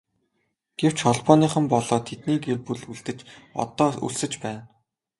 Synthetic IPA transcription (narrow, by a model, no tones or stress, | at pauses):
ɡ̥ew̥t͡ɕχɔɮpɔːniːχə̆mpɔɮɔːt̪ʰet̪niːɡerpuɮuɮt̪ɘ̆t͡ɕɔ̰t̪ɔːṵɮsɘ̆t͡ɕpæːn